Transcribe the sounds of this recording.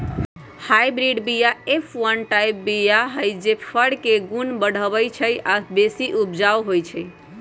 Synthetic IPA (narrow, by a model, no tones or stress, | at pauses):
hajbɾiɖbijaepʰwənʈajp̚bijaɦəjd͡ʒepʰəɽkeɡunbəɽ̤əbəjt͡ʃʰəjabesiʔupd͡ʒawɦojt͡ʃʰəj